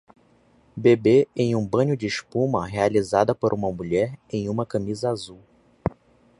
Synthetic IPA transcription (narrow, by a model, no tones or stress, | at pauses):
bebeẽj̃ũbɐ̃ɲʊd͡ʒɪːʃpũmɐɦealizad̪ɐpoɾʔũmɐmuʎɛɾẽj̃ũmɐkɐ̃mizɐazuw